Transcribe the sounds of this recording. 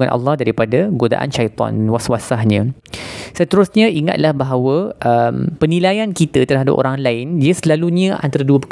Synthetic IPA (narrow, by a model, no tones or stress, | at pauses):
ŋanʔɑ̰lːɑhdaɾipadaɡoda̰ʔa̰nʃajt̪ɔ̰nwaswasahɲə̃ | sət̪əɾʊsɲãʔiŋa̰t̪̚lahbaɦawəʔəmpənĩlajankit̪at̪ərɦada̰pʔo̰ɾaŋlaɪniəsəlaluɲãʔa̰nt̪aɾaduəpə